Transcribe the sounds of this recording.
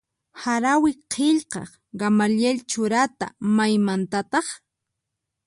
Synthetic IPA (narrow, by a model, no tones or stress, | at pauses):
haɾawɪqʰeʎqɑ̰χ | ɡamaljelt͡ʃʊɾat̪a̰majmant̪at̪ɑχ